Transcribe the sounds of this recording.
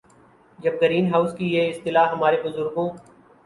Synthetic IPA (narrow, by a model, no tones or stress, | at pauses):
d͡ʒɐb̚ɡəɾiːnɦaːʊskijeːɪst̪ɪlaːɦɐmaːɾebʊzʊɾɡõː